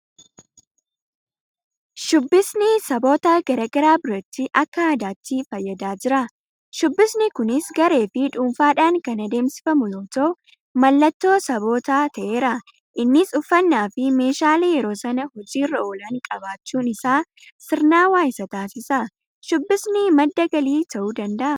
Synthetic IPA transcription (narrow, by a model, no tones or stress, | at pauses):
ʃʊbːɪsnɪsɐbo̞ːt̪aɡ̥ɐɾɐɡɐɾaːbʊɾɐt̪ːɪʔɐkːɐaːd̪aːt̪ːifɐjːɐd̪aːd͡ʒɪɾɐ | ʃʊbːɪsnɪkʊnɪsɡɐɾe̞ːfɪᶑuːmfaːᶑaːŋkɐnɐd̪e̞ːmsɪ̥fɐmʊjoːt̪oː | mɐlːɐt̪ːo̞ːsɐbo̞ːt̪aːt̪ʰɐʔe̞ːɾɐ | ʔɪnːɪsʊfɐnːaːfɪme̞ːʃaːlejɛɾo̞ːsɐnɐhɔd͡ʒiːrːɐoːlɐŋkʼɐbaːt͡ʃːuːnɪsaː | sɪɾnaːwaːjɪsɐt̪aːsɪsɐ | ʃʊbːɪsnɪmɐd̪ːɐɡɐliːt̪ʰɐʔuːd̪ɐnd̪ɐʔɐ